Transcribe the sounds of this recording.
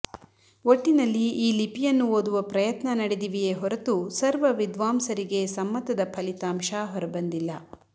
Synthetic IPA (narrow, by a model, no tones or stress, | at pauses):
oʈːinɐlːiːlipijɐnːuoːd̪uʋɐpɾɐjɐt̪nɐnɐɽed̪iʋijeːɦɔɾɐt̪usɐɾʋɐʋid̪ʋaːmsɐɾiɡe̞sɐmːɐt̪ɐd̪ɐpʰɐlit̪aːmʃaːɦɔɾɐbɐnd̪ilːɐ